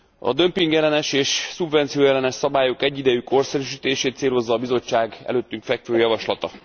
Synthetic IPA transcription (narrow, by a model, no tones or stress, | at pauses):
ɒ̰d̪ø̞mpiŋɡjɛlɛnɛʃeːʃsubvɛnt̪sijoːjɛlɛnɛʃsɒbaːjo̞kɛɟːid̪ɛjyko̞rsɛɾyʃ̬iːt̪eːʃeːt̪t̪seːlo̞zːɒːbizo̞t͡ʃːaːɡɛ̰løːt̪ːyŋkfɛkføːjɒvɒʃlɒt̪ɒ